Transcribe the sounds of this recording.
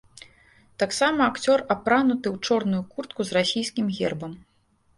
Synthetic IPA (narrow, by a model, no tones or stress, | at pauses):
t̪aksamɐːkt͡sʲɔrapɾanut̪ɨwt͡ʂɔrnujukurt̪̚kuzrasʲijskʲimɣʲɛrbɐm